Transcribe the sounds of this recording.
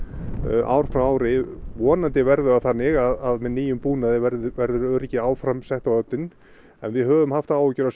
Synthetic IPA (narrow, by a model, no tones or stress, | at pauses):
ʔa̰wɾ̥fɾamaːwɾɪvɔːnant̪ɪvɛɾðʏaθanːɪɣaðaðmɛniːjʏmpuːnaðɪɛɾvɛɾðʏɾœɾɪcɪaːwfɾamsɛht̪awœp̚nɪn | ɛnvɪðɦœːvʏmhaft̪aːwʏcʏɾas